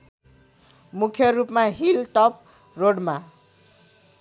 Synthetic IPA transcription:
mukʰjʌrupmaɦilʈʌp̚ | roɽma

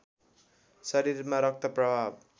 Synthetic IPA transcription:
sʌɾiɾmaɾʌk̚t̪ʰʌprʌbʱab̚

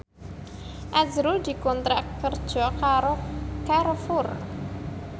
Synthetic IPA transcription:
ʔazɾud̪̥i̤kɔnt̪ɾakərd̥ʒ̥ɔkaɾokarfʊr

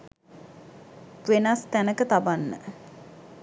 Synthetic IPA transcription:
ʋenast̪ænəkət̪abanːə̰

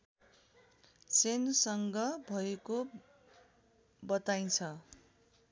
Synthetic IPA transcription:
senusʌŋɡʌbʱʌeko | bʌt̪aj̃t͡sʰʌ

